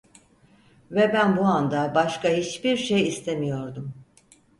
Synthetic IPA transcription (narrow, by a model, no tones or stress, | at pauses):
vɛbænbuand̪abaʃkahit͡ʃbiɾʃejist̪ʰe̞mijo̞ɾd̪um